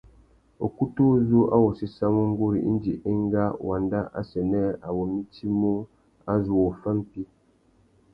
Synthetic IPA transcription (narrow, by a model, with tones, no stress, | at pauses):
o˨ku˦tu˦zu˦ʔa̰˦wo˨si˦sa˦mo˦ŋ̩˦ɡo˦ɾḭ˨ʔḭ˦n˦d͡ʒi˨ʔe˦ŋ˦ɡa˦wa˨nda˦ʔa̰˦sɛ˨nɛ˦a˨wo˨mi˦ti˦mo˦ | a˦zu˨o˨fə˦m˦pi˦